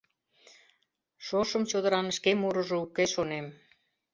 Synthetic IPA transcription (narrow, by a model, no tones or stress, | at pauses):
ʃoʃə̆mt͡ɕod̪ə̆ɾɑnʃkemuɾə̆ʒŏukeʃonem